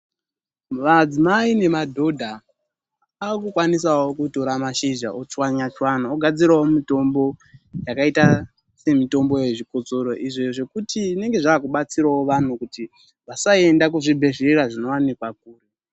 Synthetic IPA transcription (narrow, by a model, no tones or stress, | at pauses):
mad͡zimaine̞madʱo̞dʱa | akukwanis̬awokuto̞ɾamaʃiʒa̰ot͡swaɲat͡ʃwanaoɡʱad͡ziɾawomito̞mbo̞jakaita | se̞mito̞mbo̞je̞ʐikot͡so̞ɾo̞ʔiʐoʐe̞kutiʐine̞ŋɡe̞ʐaːkuɓat͡siɾawoʋan̤ukuti | ʋasae̞ndakuʐibʱe̞ʐereraʐino̞wanikwak̚uːre